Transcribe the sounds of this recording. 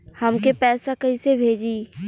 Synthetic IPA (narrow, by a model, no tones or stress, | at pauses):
həmkepɛːsakəɪsebʱeːd͡ʒi